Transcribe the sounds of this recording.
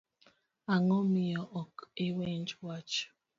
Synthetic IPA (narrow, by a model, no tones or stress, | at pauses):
aŋɔmiɔʔɔkewend͡ʒwat͡ʃ